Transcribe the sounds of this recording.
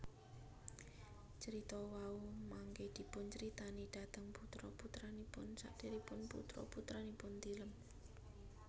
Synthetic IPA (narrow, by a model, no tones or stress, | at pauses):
t͡ʃəɾit̪ɔwaumaŋɡed̪̥i̤pʊnt͡ʃəɾit̪anid̥a̤t̪əŋput̪ɾɔput̪ɾanipʊnsa̰ʔd̥e̤ɾipʊnpṵt̪ɾɔ̰put̪ɾanipʊnt̪iləm